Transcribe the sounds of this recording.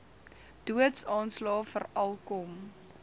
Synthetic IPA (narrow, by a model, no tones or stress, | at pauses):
d̥uətsɑːnslɑːfərɐlˠkɔm